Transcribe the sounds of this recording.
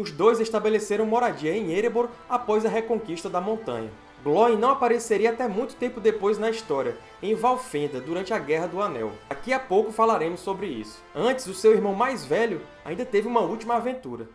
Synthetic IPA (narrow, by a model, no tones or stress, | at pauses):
ʊzd̪ojzeʃt̪abeleseɾɐ̃w̃mɔɾad͡ʒiɐẽj̃eɾeboɾapɔjzɐɦekõkiʃt̪ɐd̪ɐmõnt̪ɐ̰̃ɲɐ̰ | ɡlɔĩnɐ̃w̃apaɾeseɾiɐat̪ɛmũj̃t̪ʊ̥t̪ẽmpʊd̪epojznɐist̪ɔɾiɐ | ẽj̃vawfẽnd̪ɐd̪uɾɐ̃nt͡ʃɪɐɡɛɦɐd̪ʊanɛ̰wd̪akiapowkʊfalaɾẽmʊsːobɾɪḭsʊ̥ɐ̃t͡ʃɪ̥zʊsewiɾmɐ̃w̃majzvɛʎʊ | a̰ĩnd̪ɐt̪evɪũmɐut͡ʃimɐavẽnt̪uɾɐ